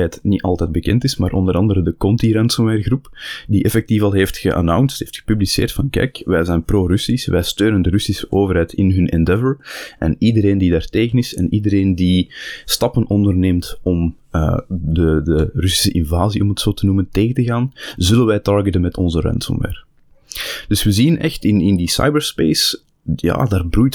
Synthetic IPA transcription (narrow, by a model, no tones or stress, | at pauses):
ɛːtnitɑ̰lˠtɛːd̚bəkɛntɪsmaːɾʔɔndəɾɑndəɾədəkɔntiɾɛntsɔmwɛːrɣrupdiʔɛfɛk̚tifɑlˠɦeːftxə̰ʔa̰nawnstɦeːftxə̥pyblisḛːrtfɑnkɛ̰jkʋɛjzɛjnproːrʏsisʋʔɛjstøːnəndərʏsisəʔoːvərɦɛːtɪnɦɵnʔɛndɛvəɹʔɛ̰nidəɾeːndidaːrteːɣənɪsɛnʔidəɾeːndistɑpənʔɔndərneːmtɔm | ə̰dədərʏsi̥səʔɪnvaːziʔɔmɦətsoːtənumənteːɣəntəɣaːnzʏlənʋɛjtɑɹɡɛtənmɛtʰɔnzəɾɛ̰ntsɔ̰mʋɛ̰ːr | d̥ʏswəzinɛxtɪnɪndisa̰jbəɹspeːs | ja̰ːdaːrbrujt